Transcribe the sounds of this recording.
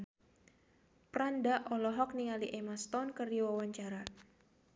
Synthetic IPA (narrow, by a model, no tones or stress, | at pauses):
pɾandaʔɔlɔɦɔk̚niŋaliʔemast̪ɔnkərdiwawaɲt͡ʃaɾa